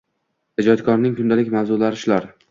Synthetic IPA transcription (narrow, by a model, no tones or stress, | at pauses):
hɪd͡ʒɒt̪kʰɒɾnɪŋkʰʊnd̪alɪkʲmawzʊlaɾɪʃlaɾ